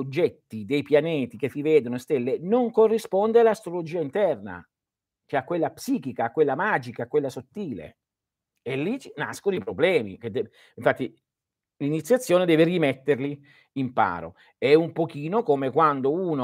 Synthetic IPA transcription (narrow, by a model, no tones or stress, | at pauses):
od͡ʒːɛt̪ːid̪ejpjanɛːt̪ikesːivɛːd̪onost̪elːenoŋkorːispond̪ealːast̪ɾolod͡ʒiːaint̪ɛrna̰ | t͡ʃeakːwelːapsiːkikaːkːwelːamaːd͡ʒikaːkːwelːasot̪ːiːlḛ | elːit͡ʃna̰skonoipɾoblɛːmḭked̪ɛ | iɱfat̪ːi | linit̪sjat̪sːjoːned̪ɛːverimet̪ːerli | impa̰ːɾo̰ | ɛumpokiːnokomekwand̪ouːno